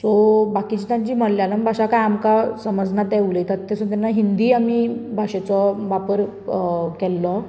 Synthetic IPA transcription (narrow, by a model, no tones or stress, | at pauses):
sɔbakit͡ɕit̪jãɲt͡ɕiːm̤əɽljalambʱaɕakajamkasəməd͡znat̪eʋlet̪əɾt̪ːesɔ̃t̪janːaɦind̪iːamibʱaɕɛt͡sɔʋapəɾ | kɛlːɔ